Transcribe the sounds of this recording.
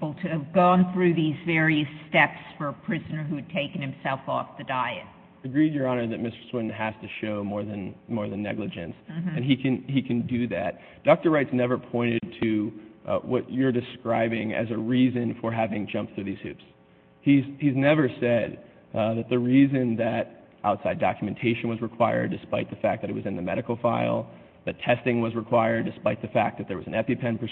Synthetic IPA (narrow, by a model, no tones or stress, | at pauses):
bl̩ˠtʰɨːvɡɔ̃nθɹʉðizvɛɹiɨstɛpsfə˞əpʰɹ̥ɪzɨnə˞ɦʉɨd̚tʰeɪkɨ̃n̩ɨ̃msɛlˠfɔfðɨdaɪɨ̰t̚ | ɨɡɹid͡ʒjə˞ɑnə˞ðɨt̚mɪstə̥˞swɪ̃ʔn̩ɦæz̥tɨʃoʊmɔɹðɨ̃nmɔɹðɨ̃nːɛ̰ɡlɨd͡ʒɨ̰̃nsɨ̃nikʰɨ̃nikʰɨ̃ndɨðæ̰t̚ | d̥ɑk̚tə˞ɹaɪtsnɛvə˞pʰɔ̃ɪ̃ɾ̃ɨd̚tʰɨ | wʌ̰t͡ʃə˞dɨskɹaɪbɪ̃ŋɨ̰zɨɹizɨ̃nfə˞ɦævɪ̃ŋd͡ʒʌ̃mp̚θɹʉðiz̥hʉ̰ps | hizhiznɛvə˞sɛd̪̚ | ðɨt̪̚ðɨɹizɨ̃nðɨɾ | ʔaʊtsaɪdɑ̰kjɨmɨ̃n̩tʰeɪʃɨ̃nwʌzɹɨkʰw̥aɪə̰˞dɨspaɪt̪̚ðɨfæk̚ðɨɾɨt̚wʌzɨ̃nðɨmɛ̰ɾɨkl̩ˠfaɪlˠ | ðɨtʰɛstɪ̃ŋwʌzɹəkʰw̥aɪə˞dɨspaɪt̪̚ðɨfæk̚ðɨt̪̚ðə˞wʌzn̩ɛpipʰɛ̃npʰə˞